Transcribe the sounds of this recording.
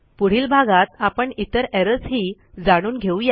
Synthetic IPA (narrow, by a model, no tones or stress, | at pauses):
puɽ̤iːlbʱaɡat̪apəɳit̪əɾɛɾəsɦiː | d͡zaɽ̃uːnɡʱeũja